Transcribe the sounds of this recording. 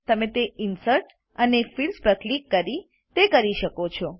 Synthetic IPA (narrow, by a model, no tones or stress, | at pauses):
t̪əmẽt̪eɪnsəɾʈ | ənefilspɾəklikːəɾi | t̪ekəɾiʃəkot͡ʃʰɔ